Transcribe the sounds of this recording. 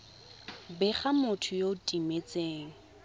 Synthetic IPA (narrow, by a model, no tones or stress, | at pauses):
bɪχamʊtʰʊjoʊtʼimet͡sʼeːŋ̩